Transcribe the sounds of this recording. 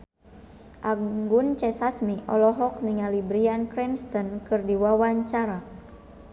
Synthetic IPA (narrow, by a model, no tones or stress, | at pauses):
ʔaɡunt͡ʃɛsasmiʔɔlɔɦɔk̚niŋalibɾiankɾɛnst̪ɔnkɨrdiwawaɲt͡ʃaɾa